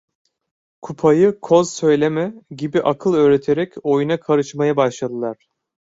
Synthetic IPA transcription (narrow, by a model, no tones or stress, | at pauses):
kʰupʰajɯkʰo̞z̥sø̞jlʲemɛɟibiʔakʰɯlˠø̞ːɾe̞t̪ʰeɾɛco̞junakʰaɾɯt͡ʃmajabaʃlˠad̪ɯlˠaɾ̝̥